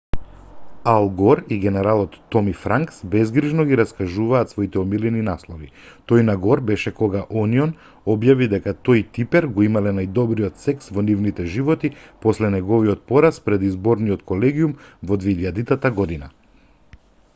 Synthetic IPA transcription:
alˠɡɔɾiɡɛnɛɾalˠɔt̪ːɔmifɾaŋksbɛzɡɾiʒnɔɡiɾaskaʒuvaːt̪svɔit̪ɛɔmilɛninaslˠɔvi | t̪ɔjnaɡɔɾbɛʃɛkɔɡaʔɔniɔn | ɔbjavid̪ɛkat̪ojt̪ipɛɾɡɔimalɛnajd̪ɔbɾiɔt̪sɛksvɔnivnit̪ɛʒivɔt̪ipɔslɛnɛɡɔviɔt̪̚pɔɾaspɾɛd̪izbɔɾniɔt̪kɔlɛɡiumvɔd̪vɛiʎad̪it̪at̪aɡɔd̪ina

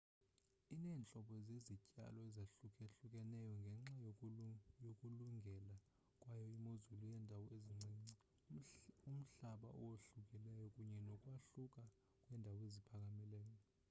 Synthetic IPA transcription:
inɛːnt͡ɬʼɔɓɔzezicʼa̰lɔɛzaɬukʰʼeɬukʼɛnɛjɔŋɡʱɛŋ͡ǁaj | jokʼuluŋɡʱɛla | kʼwajɔimozulujɛndʱawɔeziŋ͡ǀʱiːŋ͡ǀi | um̩ɬaɓa̰ʔɔ̰woɬukʼilɛjɔkʼuɲɛnɔkʼwaɬukʼa | kʼwɛːndʱawɔezipʰak̬ʼamilɛːjɔ

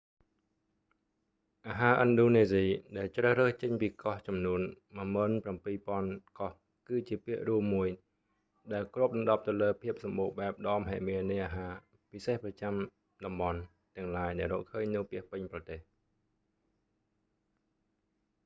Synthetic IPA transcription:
ʔaːɦaːʔənɗoːneːziːɗaɛlt͡ɕrəhrəːht͡ɕəɲpiːkɑht͡ɕɑmnuən | məəməːnprampiːpŏənkɑh | kɨːt͡ɕiəpiəʔruəmːuəj | ɗaɛlkruəp̚lɑŋɗɑp̚t̪ɨwləːpʰiəp̚sɑmɓoːɓaɛp̚ɗɑːmɦaːʔmiənɨjʔaːɦaː | pisehprɑt͡ɕam | ɗɑmɓɑn | t̪ɛ̆əŋlaːjɗaɛlrɔ̰ːʔkʰːəːɲnɨwpiəhpɨɲprɑt̪eːh

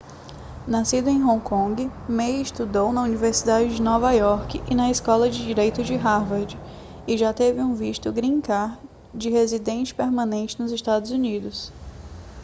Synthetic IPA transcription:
nasid̪ʊẽj̃ɦõkõɡɪmejɪʃt̪ud̪ownɐuniveɾsid̪ad͡ʒɪd͡ʒɪnɔvɐjɔɾkɪʔɪnɐiskɔlɐd͡ʒɪd͡ʒiɾejt̪ʊd͡ʒɪɦaɾvaɾd͡ʒɪ | ɪʒat̪evɪũviʃt̪ʊɡɾĩkaɾ | d͡ʒɪɦezid̪ẽnt͡ʃɪ̥peɾmɐ̃nẽnt͡ʃɪnʊzɪʃt̪ad̪ʊzunid̪ʊs

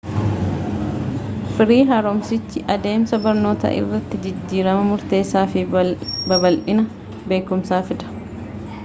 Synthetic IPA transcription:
fɪɾiːɦɐɾomsɪt͡ʃːɪʔɐd̪e̞ːmsɐbɐɾno̞ːt̪ɐ̰ʔɪ̰rːɐt̪ːɪd͡ʒɪd͡ʒːiːɾɐmɐmʊɾt̪e̞ːsːaːfɪbɐbɐlʔɪnɐ | be̞ːkʊmsaːfɪᶑ̪ɐ̥

